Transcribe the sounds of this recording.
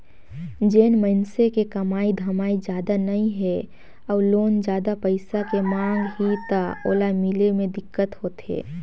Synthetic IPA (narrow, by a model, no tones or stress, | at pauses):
d͡ʒeːnmənsekekɐmaːid̪ʱəmaːid͡ʒjaːd̪anɐɦĩɦɛ | ɔːɾloːnd͡ʒjaːd̪apəɪsakemãːŋɡɦit̪ao̰ːlamɪlemẽd̪ɪkːət̪ɦoːt̪ḛː